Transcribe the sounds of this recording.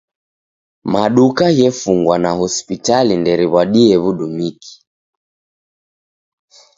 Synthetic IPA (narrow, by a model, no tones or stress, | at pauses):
maɗukaɣɛfuŋɡwanahɔspitalindɛɾiβwaɗiɛβuɗumiki̥